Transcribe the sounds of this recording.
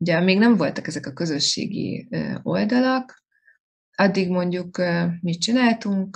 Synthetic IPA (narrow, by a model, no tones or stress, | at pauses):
uɟɛmeːɡnɛɱvo̞lt̪ɒkɛzɛkɒkø̞zø̞ʃːḛːɡḭøo̞ld̪ɒlok | ɒd̪ːiɡmo̞ɲɟukːmit̪t͡ʃinaːlt̪uŋk